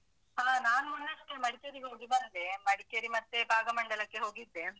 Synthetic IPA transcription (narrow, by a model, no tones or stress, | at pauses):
ɦaːnaːnuunːɐʂʈːemɐɽikeɾiɡoːɡibɐnd̪emɐɽikeɾimɐt̪ːebʱaːɡɐmɐɳɖɐlɐkːeɦo̞ːɡid̪ːe